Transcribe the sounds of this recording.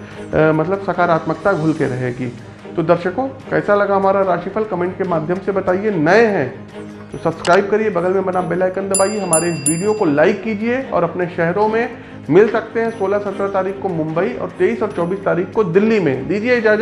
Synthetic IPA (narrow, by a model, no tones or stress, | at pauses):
mɐt̪ləbsɐkaːɾaːt̪mək̚t̪aɡʱʊlkeɾɐɦeɡiː | t̪od̪ɐɾʃəkõkɛːsalɐɡaɦɐmaːɾaɾaːʃiːpʰəlkɐmɛ̃ːɳʈkemaːd̪ʱjəmsebɐt̪aːienɐeɦɛ̃ | t̪osɐbskɾaːɪb̚kɐɾiebɐɡəlmẽbɐnabeːlaɪkə̃nd̪ɐbaːieɦɐmaːɾeɪsʋiːɖijokolaːɪkːiːd͡ʒieɔ̰ːɾɐpneʃɛɦɾõmẽ | mɪlsɐk̚t̪eɦɛ̃soːlasɐt̪ɾət̪aːɾiːkkomʊ̃mbəiɔ̰ːɾt̪eːiːsɔːɾt͡ʃɔːbiːst̪aːɾiːxkod̪ɪlːimḛ̃d̪iːd͡ʒieɪd͡ʒaːd͡ʒə